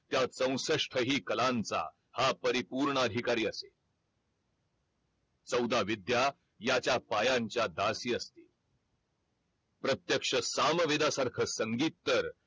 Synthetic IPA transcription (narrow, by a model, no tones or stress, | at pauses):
t̪jat͡sə̃w̃səʂʈʰəɦiːkəlant͡sa̰ | hapəɾipuɾɳəəd̪ʱikaɾiːəsḛ | t͡səwd̪ʱaʋid̪ja | jat͡ɕjapajaɲt͡ɕjad̪asiːəst̪i | pɾət̪jəkʂəsamʋed̪asaɾkʰəsəŋɡiːt̪ːəɾ